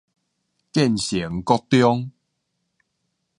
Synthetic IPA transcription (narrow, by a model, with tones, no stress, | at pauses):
kɛ˥˨nɕi˨˩˦ə˦ŋkɔ˦˧t̪jɔ˦ŋ